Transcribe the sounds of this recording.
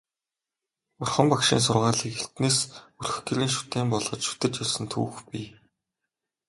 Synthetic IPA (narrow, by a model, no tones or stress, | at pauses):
ʊrχə̆mpakʃḭːns̬ʊrʁaːɮiːkeɬt̪neːsɵrx̆ɡeɾiːnʃu̥t̪eːmpɔɮʁɞ̆t͡ɕʃu̥t̪ɘ̆t͡ɕjɔɮsə̆nt̪ʰṵːxpʲi